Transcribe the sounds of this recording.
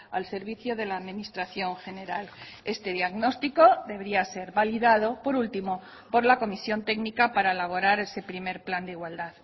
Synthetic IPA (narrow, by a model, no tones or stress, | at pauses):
a̰lse̞ɾβ̞iθjoð̞e̞laːðminist̪ɾaθjo̞ŋxe̞ne̞ɾal | e̞st̪e̞ðjaɣno̞st̪iko̞ðe̞βeɾiase̞ɾβaliðað̞o̞po̞ɾult̪imo̞ | po̞ɾlako̞misjo̞nt̪eknikapaɾaelaβ̞o̞ɾaɾe̞se̞pɾime̞ɾpland̪eiɣwald̪að